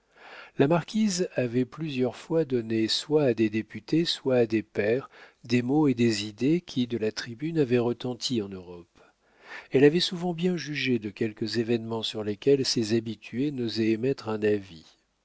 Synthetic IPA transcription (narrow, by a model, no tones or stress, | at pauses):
lamaʁkʲizavɛplyzjœʁfwad̪ɔneswaːd̪ed̪epyt̪eswaːd̪epɛʁd̪emoed̪ezid̪ekʲʰid̪əlat̪χibynavɛʁət̪ɑ̃t̪ʰiɑ̃nøʁɔp | ɛlavɛsuvɑ̃bjɛ̃ʒyʒed̪əkʲɛlkəzevɛnmɑ̃syʁlekʲɛlsezabit̪ʰyenozɛemɛt̪χɛ̃navi